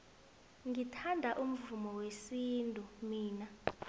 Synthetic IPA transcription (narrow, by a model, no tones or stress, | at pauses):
ŋitʰandʱaʔum̩vumɔwesintʼumiːna